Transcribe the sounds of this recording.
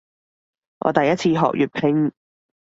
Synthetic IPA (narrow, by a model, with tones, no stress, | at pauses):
ŋʔɔ̰ː˨˧t̪ɐ˨jɐ˥t̚t͡sʰiː˧ɦɔ̰ː˨k̚jy̰ː˨t̚pʰɪ˧˥ŋ